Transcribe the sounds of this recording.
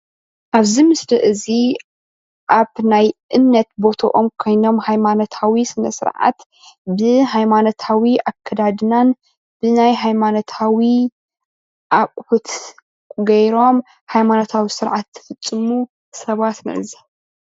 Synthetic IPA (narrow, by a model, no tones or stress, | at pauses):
ʔaβzimɨsd̪ɐʔɨzi | ʔaβnajʔɨmnɐt̪bo̞t̪ʰo̰ʔomkʰo̞jno̞mhajmanot̪ʰawisɨnɐ̰sɨ̰ɾʕa̰t̪ | bɨɦajmano̞t̪ʰawiakʰːɐd̪ad̪ɨnan | b̥ɨnajɦajmanot̪ʰawi | ʔakʼħut̪ | ɡɐjɾo̞m | hajmanot̪ʰawisɨɾʕat̪ʰːɨ̥fɨt͡sʼːɨmu | sɐβat̪nɨ̰ʕɨzi